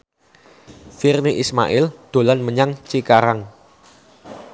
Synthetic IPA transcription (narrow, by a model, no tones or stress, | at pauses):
firniʔisma̰ʔɪld̪̥o̤lanməɲaŋt͡ʃikaɾaŋ